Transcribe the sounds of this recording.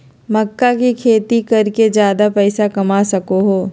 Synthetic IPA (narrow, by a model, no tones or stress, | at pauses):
mɐkːakikʰeːt̪ikɐɾked͡ʒjaːd̪apɛːsakɐmasɐkoɦoː